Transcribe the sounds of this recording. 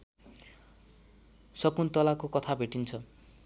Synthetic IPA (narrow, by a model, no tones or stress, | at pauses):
sʌkunt̪ʌlakokʌt̪ʰabʱeʈint͡sʰʌ